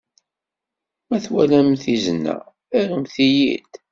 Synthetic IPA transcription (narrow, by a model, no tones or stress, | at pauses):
mæθwælæmθizənːæ̰ | æɾumθijḭd̪